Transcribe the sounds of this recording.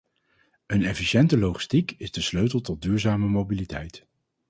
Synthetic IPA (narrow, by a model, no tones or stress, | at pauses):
ənɛfiʃɛntəlowχi̥stikɪzdəsløɥtəlˠtɔd̚dyːɹzaːməmowbilitɛ̰jt